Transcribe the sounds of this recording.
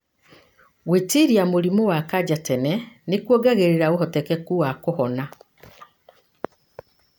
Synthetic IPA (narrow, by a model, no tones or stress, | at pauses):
ɣwetiɾjamoɾimowakad͡ʑatɛnɛnekwɔɡaɣeɾeɾaoɦɔtɛkɛkuwakohɔna